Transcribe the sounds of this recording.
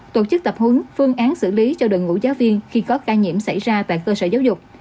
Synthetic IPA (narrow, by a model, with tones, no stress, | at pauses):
t̪o˧˩t͡ɕɨ˦˥k̚t̪ə˨˩p̚hɨ˨˦ŋfɨ˧əŋʔaː˨˦nsɨ̰˧˨li˨˦t͡ɕɔ˧ɗɨ˨˩ŋṵ˧˥zaː˨˦wvi˧ənxi˧kɔ˨˦kaː˧ɲḭ˧˨əmsa˧˩jzaː˧t̪a̰ː˧˨jkəː˧səː˧˩zaː˨˦wzʊ˨˩k͡p̚